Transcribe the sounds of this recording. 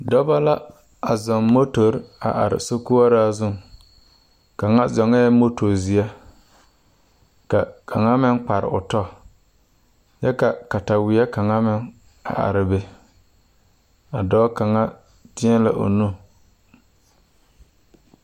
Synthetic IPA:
dɔ˦ba˦la˦ | a˨zɔ˨ŋmo˦to˨ɾa̰˨ʔa̰˨ɾɪ̰˨so˦ku˦a˦ɾa˦zʊ˦˨ŋ | ka˨ŋa˦zɔ˨ŋɛː˦mo˦tʰo˨zɪ˨ɛ˦ | ka˨kʰa˨ŋa˦mɪ˦ŋk͡pa˨ɾɪ̰˨ʊ̰˨tɔ˦ | jɛ˦ka˨ka˨ta˨wɪ˨˦ɛ˦ka˨ŋa˦mɪ˦ŋ | a̰˨ʔa̰˨ɾɪ˨be˨ | a˨dɔː˦ka˨ŋa˦ | tɪ˦ɛ˦la̰˦ʔo̰˨nu˦˨

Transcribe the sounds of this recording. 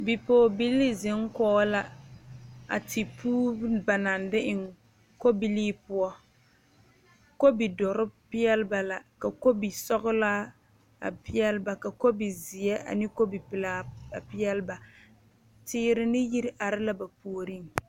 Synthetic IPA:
bi˨poː˨bi˦lːi˦zɪ˨˦ŋ˦kɔː˦la˨ | a̰˨tʰi˨pʰuː˦ba˨na˨ndɪ˦ʔɪ˨ŋ | ko˦bi˦liː˦pʊ˦ɔ˦ | ko˦bi˨dɔ˨ɾɪ˦pɪ˦jɛ˦lɪ˦ba˨la˨ka˨ko˦bi˨sɔ˦ɣʊ˦la˦ | a̰˨pɪ˦ɛ˦lba˨ka˨ko˦bi˨zɪ˨ɛ˦a̰˨nɪ˦ko˦bi˨pɪ˨laː˦a˨pɪ˦jɛ˦lɪ˦ba˨ | tɪː˦ɾɪ˦nɪ˦ji˦ɾʔa˨ɾɪ˦la˦ba˨pu˨o˨ɾi˦ŋ

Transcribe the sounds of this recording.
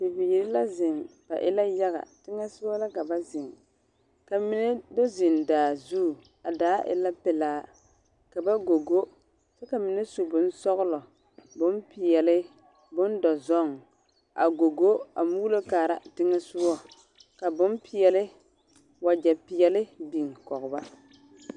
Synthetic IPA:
tɪ˨vi˨ji˨ɾɪ˦la˦zɪ˨ŋb̥a˨ʔɪ˦la˦ja˦ɣa̰˨tɪ˦ŋɛ˦sʊ˦wɔ˦la˦ka˨ba˦zɪ˨ŋ | ka˨mɪ˦nɛ˦dɔ˦zɪ˨ndaː˨zu˦˨ | a˨daː˨˦ʔɪ̰˨la˦pɛ˨laː˨˦ | ka˨ba˦ɡo˨ɡo˦ | t͡ʃɛ˦ka˨mɪ˦nɛ˦su˨bʊ˨n˦sɔ˦ɣʊ˦lɔ˨ | bʊ˦npɪ˨jɛ˨lɪ˦ | bʊ˦ndɔ˨zɔ˦˨ŋ | a̰˨ɡo˨ɡo˦a̰˨muː˦lo˦kaː˨ɾa̰˨tɪ˦ŋɛ˦sʊ˦wɔ˦ | ka˨bʊ˦npɪ˨jɛ˨lɪ˦ | wa˨d͡ʒɛ˨pɪ˨jɛ˨lɪ˦bi˨ŋ˨kɔ˨ɣʊ˨ba˦

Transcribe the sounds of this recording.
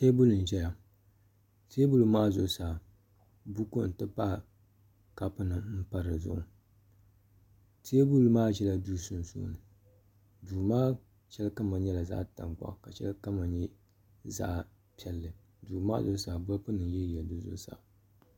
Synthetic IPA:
te˦bʊ˦lɨ˨n̩˨ʒɛ˦ja˨ | te˦bu˦lu˨˦maː˦zʊ˦˨saː˨ | bu˦ku˦n̩˨tɨ˦pa˦˨ | ka˦pɨ˦nɨ˨m̩˦pa˦ɾɨ˨zʊ̰˦˨ʔʊ̰˨ | teː˦bu˦lmaː˦ʒɛ˦la˨duː˦sʊ˦n˨sṵ˦nɨ˨ | duː˨maː˦ | t͡ʃɛ˦lka˦ma˨ɲɛ˦la˨za̰ː˦˨ta̰˨ŋk͡pa̰˦˨ka˨ʃɛ̰˦lka˦ma˨ɲɛ˦ | za̰ː˦ | pi˦ɛ˦lːɨ˨ | duː˨ma̰ː˦zʊ˦saː˨bʊ˦pɨ˦nɨ˨n˦jɛ˦jɛ˨du˦zʊ̰˦sa̰ː˨

